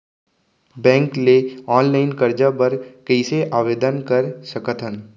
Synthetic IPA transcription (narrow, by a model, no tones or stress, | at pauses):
bɛ̃ːŋkleɔːnlaːɪnkɐɾd͡ʒabɐɾkəɪseʔaːʋeːd̪ənkɐɾʃəkət̪ʰən